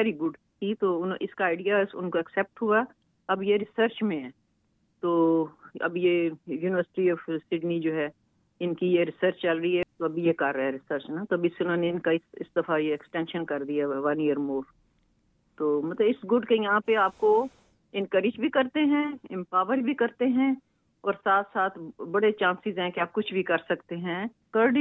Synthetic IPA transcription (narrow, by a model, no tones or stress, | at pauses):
ʋɛːɾiɡʊɖ | k̪ʰit̪onʔɪskaaːɪɖijasʊ̰nkoɛksɛːp̚ʈɦua | ɐbjeɾɪsəɾt͡ʃmẽɛ̃ | t̪oːɐ̰bjejuːnɪʋəɾsɪ̥ʈiɔːfsɪɖnid͡ʒoːɦɛ | ɪnkijeɾɪsəɾt͡ʃt͡ʃɐlɾəɦiɦɛt̪oɐbʱijekɐɾːɐɦɛɾɪsəɾt͡ʃnat̪oɐbɪsʊnõːneɪnkaɪsɪ̰sd̪ɐfʰajeɛksʈɛ̃ːnʃənkɐɾd̪ijaʋɐ̃nijəɾmoːɾ | t̪oːmɐt̪ləbɪsɡʊɖkejɐɦãpeaːp̚ko | ɪ̃nkəɾɪd͡ʒbʱikɐɾt̪eɦɛ̃ɪ̃mpaːʋəɾbʱikɐɾt̪eɦɛ̃ | ɔːɾsaːt̪ʰsaːt̪ʰbɐɽet͡ʃãːnsɪzɦɛ̃keaːp̚kʊt͡ʃʰbʱikɐɾsɐkt̪eɦɛ̃ | kɐɾɖ